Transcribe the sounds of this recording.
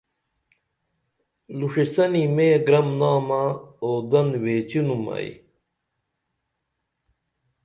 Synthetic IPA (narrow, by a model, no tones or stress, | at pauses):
luʂisɐnimeːɡɾɐmnaːmaoːd̪ɐnweːt͡ɕinumɐ̰ḭ